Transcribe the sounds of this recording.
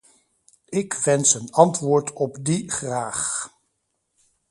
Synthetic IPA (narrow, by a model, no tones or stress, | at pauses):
ɪkʋɛnsənɑntʋʊːɹtʰɔpdiχraːχ